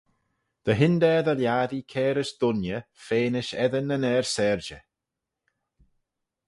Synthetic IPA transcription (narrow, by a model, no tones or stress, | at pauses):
d̪̥əɦɪnd̪ɛðəljaːðikʰɛːɾəʃd̪̥ʊnjəfeːnɪʃɛðənənɛɹsɛːɹd͡ʒə